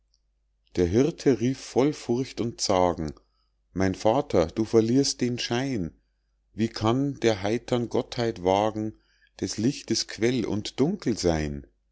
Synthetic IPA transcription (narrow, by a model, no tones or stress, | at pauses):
d̥eːɐɦɪʁtʰəʁiːfːɔlfʊɐçtʊntt͡saːɡŋ̩ | maɪnfaːtʰɐd̥uːfɐliːɐst̚d̥eːnʃaɪn | viːkʰandeːɐɦaɪtʰɐnɡɔthaɪtv̥aːɡŋ̩ | d̥ɛslɪçtəskʰv̥ɛlʊ̰ntd̥ʊŋkl̩zaɪn